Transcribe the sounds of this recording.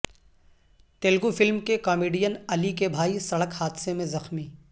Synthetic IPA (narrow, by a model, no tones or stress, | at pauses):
t̪eːlɡufɪlmkekɔːmeːɖijənɐlikebʱaːisɐɽəkhaːd̪semẽzɐxmiː